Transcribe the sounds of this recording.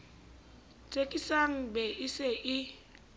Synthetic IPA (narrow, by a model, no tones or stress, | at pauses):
t͡sʼekʼisaŋ̩bɛɪseʔɪ